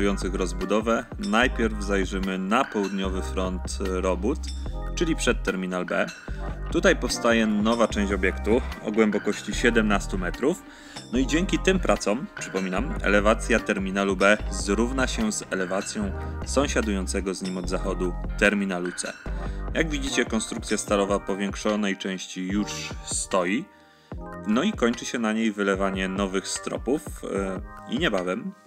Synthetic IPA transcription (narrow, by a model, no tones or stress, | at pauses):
ujɔnt̪sɘxɾɔzbud̪ɔvɛ | najpʲjɛɾvzajʐɘmɘnapɔwud̪ɲɔvɘfɾɔnt̪ɾɔbut̪t͡ʂɘlʲipʂɛt̪ːɛɾmʲinalbɛ̰t̪ut̪ajpɔfst̪ajɛnɔvat͡ʂɛ̃ɕt͡ɕɔbʲjɛkt̪uɔ̰ɡwɛmbɔkɔɕt͡ɕiɕɛd̪ɛmnast̪umɛt̪ɾuf | nɔid͡ʑɛŋkʲit̪ɘmpɾʔat̪sɔmpʂɘ̥pɔmʲinamɛ̰lɛvat̪sʲjat̪ɛɾmʲinalubɛzɾuvnaɕɛzɛlɛvat̪sʲjɔ̃w̃sɔ̃w̃ɕad̪ujɔnt̪sɛɡɔzɲimɔd̪zaxɔd̪ut̪ɛɾmʲinalut̪sɛ̰jaɡvʲid͡ʑit͡ɕɛkɔnst̪ɾukt̪sʲjast̪alɔvapɔvʲjɛŋkʂɔnɛjt͡ʂɛ̃w̃ɕt͡ɕijuʂst̪ɔji | nɔikɔɲt͡ʂɘɕɛnaɲejvɘlɛvaɲɛnɔvɘxst̪ɾɔ̰puf | ḭɲɛbavɛm